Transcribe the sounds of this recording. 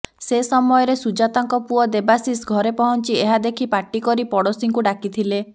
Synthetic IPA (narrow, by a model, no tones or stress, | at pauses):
sesɔmɔjɔɾesud͡ʒat̪ɔŋkɔpuɔd̪ebasisɡʱɔɾepɔɦɔnt͡ʃieɦad̪ekʰipaʈːikɔɾipɔɽosiŋkuɖakit̪ʰile